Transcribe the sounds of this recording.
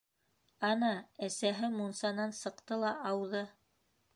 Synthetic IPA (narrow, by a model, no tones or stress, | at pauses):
ɑnɑæsæɦɘmunsɑnɑnsɤ̆qt̪ɤlˠɑʔɑwðɤ